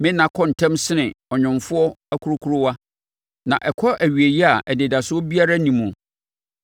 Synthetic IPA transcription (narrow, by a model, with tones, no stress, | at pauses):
mɪ̃˦nã˨kʰɔ̃˦n̩˨tʰɛ̃˦msɪ˦nɪ̃˨ɔ˨ɲᶣʊ̃˨mfʊ˦ɔ˦a˦kʰu˦ɾʊ˦kʰu˦ɾʊ˦wa˦ | nã̰˨ʔɛ˨kʰɔ˦ʔæ˨ɥi˨e˨ji˦a˨ʔɛ˨nɪ̃˨da˨sʊ˦ɔ˦bi˦a˦ɾa˦nĩ˨mũ˨